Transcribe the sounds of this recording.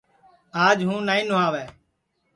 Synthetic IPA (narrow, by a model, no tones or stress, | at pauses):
aːd͡ʒɦũːnaːĩːnʊɦaːʋɛː